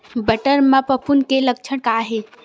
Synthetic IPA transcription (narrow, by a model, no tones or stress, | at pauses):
bɐʈəɾmãpəpʰunkelək̚t͡ʃʰəɽ̃kaːɦe